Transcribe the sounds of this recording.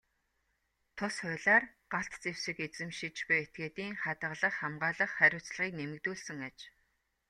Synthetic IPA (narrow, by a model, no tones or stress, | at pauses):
t̪ʰʊsχʊɮaːrɢaɬt̪t͡sewsĭket͡sɘ̆mʃit͡ɕpʊjet̪̚ɡeːt̪iːŋχat̪ə̆ʁɮə̆χχamɢaːɮə̆χχæɾʲʊːt͡sɮəʁiːknemɘ̆kt̪uːɮsɘ̆ŋat͡ɕ